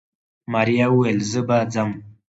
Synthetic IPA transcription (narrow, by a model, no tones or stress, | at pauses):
maɾijawuwelzəbad͡zam